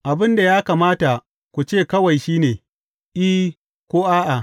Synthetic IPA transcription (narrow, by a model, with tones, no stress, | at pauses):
ʔa˨bɪ˦nda˨jaː˦kaː˨maː˦ta˨ | kʷu˨t͡ʃeː˦˨kɐ˦wɐ˨jʃiː˦neː˨ | ʔi˦ | kʷoː˦ʔaː˦ʔa˨